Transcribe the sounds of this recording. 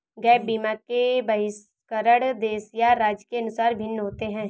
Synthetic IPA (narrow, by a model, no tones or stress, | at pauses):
ɡɛːp̚biːmakebɐɦɪs | kəɾəɽd̪eːsijaɾaːd͡ʒkeɐnʊsaːɾbʱɪnːɦoːt̪eɦɛ̃ː